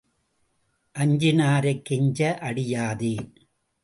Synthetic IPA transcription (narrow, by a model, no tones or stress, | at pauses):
ʔɐɲd͡ʒɪnaːɾɐɪkːɪɲd͡ʒɐʔɐɽɪjaːði